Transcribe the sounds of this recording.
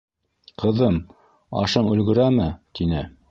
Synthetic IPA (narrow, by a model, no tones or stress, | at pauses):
qʰɤ̆ðɤm | ɑ̰ʃɤɴʉ̆lɡɵ̆ɾæmɘt̪inɘ